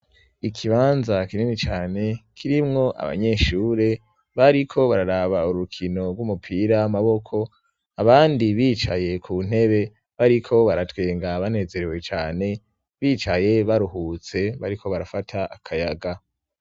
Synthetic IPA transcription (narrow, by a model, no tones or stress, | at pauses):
ikʰiβaːnzakiɾimŋit͡ʃaːne̞kʰiɾimŋo̞ʔa̰βa̰ɲe̞ʃuːɾe̞ | βaɾikʰo̞βaɾaɾaβauɾukʰino̞ɡwumupʰiɾaamaβo̞kʰo̞ | aβaːndiβiːt͡ʃa̰je̞kʰuːn̥he̞βe̞ | βaɾikʰo̞βaɾatweːŋɡaβan̥e̞ːze̞ɾewe̞t͡ʃaːne̞ | βiːt͡ʃaje̞βaɾuhuːt͡se̞βaɾikʰo̞βaɾafatʰaʔakʰajaɡa